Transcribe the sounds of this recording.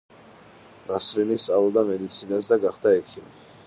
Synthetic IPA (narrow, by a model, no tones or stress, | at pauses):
nasɾinist̪ʼavlˠɔd̪amɛd̪it̪sʰinas̬d̪aɡaχd̪aɛkʰimi